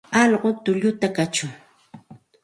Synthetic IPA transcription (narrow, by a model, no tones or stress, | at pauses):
ɑʎɢʊt̪ʊʎʊt̪akat͡ʃʊŋ